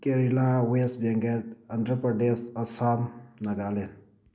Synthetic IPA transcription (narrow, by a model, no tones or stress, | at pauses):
keɾilawesbɐŋɡɐdɐnd̪ɾəpɾɐɖesɐsaːmnɐɡaːlen